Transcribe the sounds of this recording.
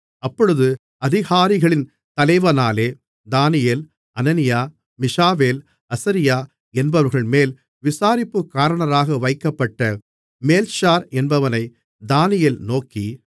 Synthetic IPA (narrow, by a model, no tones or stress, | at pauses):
ɐpːɔɻɯðɯ | ɐðɪɣaːɾɪɣɐɭɪn | t̪ɐlɐɪʋɐnaːleː | d̪aːnɪjeːl | ɐnɐnɪjaː | mɪʂaːʋeːl | ɐsɐɾɪjaː | ɛnbɐʋɐɾɣɐɭmeːl | ʋɪsaːɾɪpːɯkːaːɾɐɳɐɾaːɣɐʋɐɪkːɐpːɐʈːɐ | meːlʃaːɾɛnbɐʋɐnɐɪ | d̪aːnɪjelnoːkːi